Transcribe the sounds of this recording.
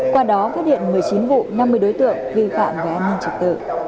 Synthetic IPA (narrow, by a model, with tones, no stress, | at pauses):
kwaː˧ɗɔ˨˦faː˦˥t̚ɗhḭ˧˨ənmɨ˨˩əjt͡ɕi˨˦nvṵ˧˨na˧mːɨ˧əjɗo˨˦jt̪ɨ̰˧˨əŋvi˧fa̰ː˧˨mvaː˨˩ʔaː˧nːi˧nt͡ɕə˨˩k̚t̪ɨ̰ː˧˩